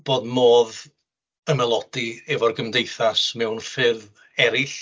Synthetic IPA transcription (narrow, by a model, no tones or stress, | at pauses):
b̥oːdmoːð | əmɛlˠɔd̥iɛvɔrɡəmdejθasmɛwnfɨð | ɛɾɪɬ